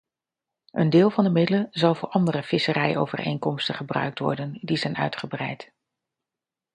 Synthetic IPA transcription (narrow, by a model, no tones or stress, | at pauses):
ʔəndɪːlˠvɑndəmɪdələnzɑlˠvʊːɹʔɑndərəfɪsərɛjʔo̰wvə̰rʔḛjŋkɔmstəχəbrœ̰ɥk̚tʋɔ̰ɹdəndizɛjnœ̰ɥtχəbrɛjt